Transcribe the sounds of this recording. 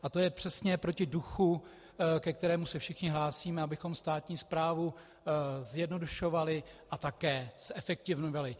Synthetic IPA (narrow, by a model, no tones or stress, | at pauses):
ʔat̪o̞jɛpr̝̥ɛsɲɛpɾo̞cɪduxu | kɛk̚t̪ɛɾɛːmusɛfʃɪxɲɪɦlaːsiːmɛabɪxo̞mst̪aːt̪ɲiːspɾaːvu | zjɛdno̞duʃo̞valɪʔat̪akɛːsʔɛfɛk̚t̪ɪvnovalɪ